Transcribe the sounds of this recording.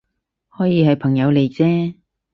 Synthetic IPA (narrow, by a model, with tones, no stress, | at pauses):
hɔː˨˥jiː˨˧hɐ˨jpʰɐ˨˩ŋjɐ˨˧wle˨˩jt͡sɛː˥